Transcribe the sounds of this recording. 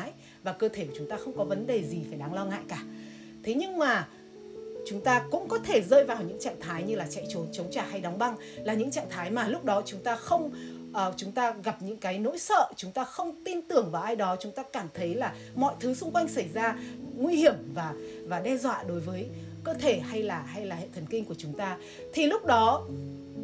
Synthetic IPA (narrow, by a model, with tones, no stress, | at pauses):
j | vaː˨˩kəː˧t̪ʰe˧˩kːt͡ɕʊ˨˦ŋ͡mt̪aː˧xə˧wŋ͡mkɔ˨˦və˨˦nɗe˨˩zi˨˩faː˧˩jɗaː˧˩ŋlɔ˧ŋa̰ː˧˨jkaː˧˩ | t̪ʰe˨˦ɲɨ˧ŋmaː˨˩ | t͡ɕʊ˨˦ŋ͡mt̪aː˧kʊ̰˧˥ŋ͡mkɔ˨˦t̪ʰe˧˩zəː˧jvaː˨˩wɲɨ̰˧˥ŋt͡ɕa̰ː˧˨nt̪ʰaː˨˦jɲɨ˧laː˨˩t͡ɕɛ̰˧˨jt͡ɕo˨˦nt͡ɕə˨˦wŋ͡mt͡ɕaː˨˩ha˧jɗɔ˨˦wŋ͡mɓa˧ŋ | laː˨˩ɲɨ̰˧˥ŋt͡ɕa̰ː˧˨nt̪ʰaː˨˦jmaː˨˩lʊ˦˥k͡p̚ɗɔ˨˦t͡ɕʊ˨˦ŋ͡mt̪aː˧xə˧wŋ͡m | ʔːt͡ɕʊ˨˦ŋ͡mt̪aː˧ɣa˨˩p̚ɲɨ̰˧˥ŋkaː˨˦jno̰˧˥jsə̰ː˧˨t͡ɕʊ˨˦ŋ͡mt̪aː˧xə˧wŋ͡mt̪i˧nt̪ɨ˨˩əŋvaː˨˩ʔaː˧jɗɔ˨˦t͡ɕʊ˨˦ŋ͡mt̪aː˧kaː˧˩mt̪ʰə˨˦jlaː˨˩ | mɔ̰˧˨jt̪ʰɨ˨˦sʊ˧ŋ͡mkwa˧jŋ̟sa˧˩jzaː˧ŋwi˧hi˧˩əmvaː˨˩vaː˨˩ɗɛ˧zwa̰ː˧˨ɗo˨˦jvəː˨˦j | kəː˧t̪ʰe˧˩ha˧jlaː˨˩ha˧jlaː˨˩hḛ˧˨t̪ʰə˨˩nkï˧ŋku˧˩ət͡ɕʊ˨˦ŋ͡mt̪aː˧ | t̪ʰi˨˩lʊ˦˥k͡p̚ɗɔ˨˦